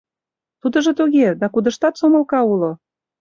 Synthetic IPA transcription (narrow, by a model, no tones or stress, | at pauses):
t̪ud̪ə̆ʒɤ̆t̪uɣed̪ɑkud̪ə̆ʃt̪ɑt̪somə̆lkɑulo